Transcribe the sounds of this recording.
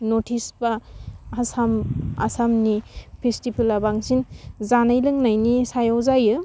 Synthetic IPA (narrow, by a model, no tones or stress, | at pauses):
notʰisbahasama̰samnipʰestipʰilabaŋsinzanajlɯŋnajnisajawzajɯ